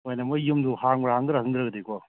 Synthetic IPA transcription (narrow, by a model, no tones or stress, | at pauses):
ojnɐmɐjumduhaŋbɐɾahaŋdɯɾakʰɯŋd̪ɾɐɡɐdekʰwa